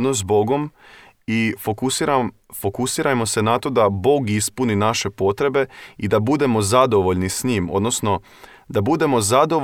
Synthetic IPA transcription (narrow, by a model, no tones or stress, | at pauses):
nozbo̞ɡo̞m | ifokusɾa | fo̞kusiɾamo̞se̞nat̪o̞d̪abo̞ːɡispuninaʃe̞po̞t̪ɾe̞be̞id̪abud̪e̞mo̞zad̪o̞ʋo̞ʎnisɲiːmo̞̰d̪no̞sno̞ | d̪abud̪e̞mo̞zad̪o̞ʋ